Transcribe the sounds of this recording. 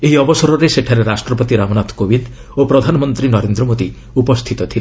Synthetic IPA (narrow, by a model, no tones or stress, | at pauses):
eɦiɔbɔsɔɾɔɾeseʈʰaɾeɾasʈɾɔpɔt̪iɾamɔnat̪kobind̪ | opɾɔd̪ʱanɔmɔnt̪ɾinɔɾend̪ɾɔmod̪i | upɔst̪ʰit̪ɔt̪ʰile